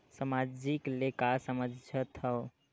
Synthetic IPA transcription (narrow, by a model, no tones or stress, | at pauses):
səmad͡ʒiklekasəməd͡ʒd͡ʒət̪əw